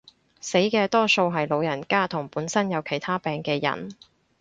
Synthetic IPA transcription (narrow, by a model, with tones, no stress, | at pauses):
se˨˥jkɛː˧t̪ɔː˥so˧wɦɐ˨jlo˨˧wjɐ˨˩nkaː˥t̪ʰʊ˨˩ŋpuː˨˥nsɐ˥njɐ˨˧wkʰe˨˩jt̪ʰaː˥pɛː˨ŋkɛː˧jɐ̰˨˩n